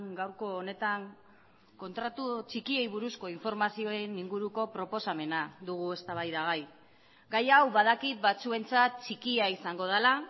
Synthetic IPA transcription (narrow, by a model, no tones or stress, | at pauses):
ɡawɾko̞ːne̞t̪aŋ | ko̞nt̪ɾat̪ut͡ʃikie̞jβuɾusko̞iɱfo̞ɾmasio̞eniŋɡuɾuko̞pɾo̞po̞same̞naðuɣ̞ue̞st̪aβajðaɣaj | ɡajawβaðakit̪̚bat͡sue̞nt͡sat̪̚t͡ʃikiaisaŋɡo̞ð̞ala